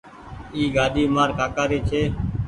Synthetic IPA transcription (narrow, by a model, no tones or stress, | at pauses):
iːɡaːɗiːmaːɾkaːkaːɾiːt͡ʃʰeː